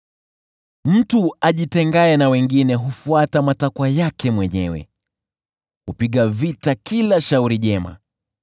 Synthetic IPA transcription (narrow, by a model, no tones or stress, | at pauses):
m̩tuaʄitɛŋɡaɛnawɛŋɡinɛɦufuatamatakwajakɛmwɛɲɛwɛ̰ | hupiɠavitakilaʃauɾiʄɛma̰